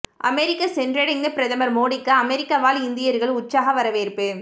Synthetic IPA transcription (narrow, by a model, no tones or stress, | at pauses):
ʔɐ̰mɛɾɪkːɐsɛndrɛɽɐŋɡɐpɪɾɐðɐmɐɾmoːɽɪkːɐːmɛɾɪkːɐʋaːlɪnd̪ɪjɐɾɣɐɭʊtt͡ʃːaːɣɐʋɐɾɐʋeːɾpɯ